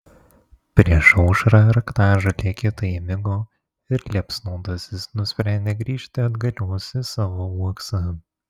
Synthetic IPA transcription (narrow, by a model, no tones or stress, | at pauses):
pʲɾʲiɛʃɒʊʃɾɐɾɐkt̪ɑːʒɐt̪ʲiɛkʲɪt̪ɐɪmʲɪɡoː | ɪɾlʲiɛpsnoːd̪ɐsʲɪsnʊsʲpʲɾʲænʲd̪ʲeːɡɾʲiːʃʲt̪ʲɪɐd̪ɡɐlʲuɔsʲɪsɑːʋoːuɔksɐ